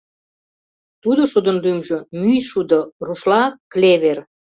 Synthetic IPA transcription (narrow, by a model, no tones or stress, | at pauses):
t̪ud̪oʃud̪ənd̪ymʒəmyjʃud̪oruʃlɑkleβer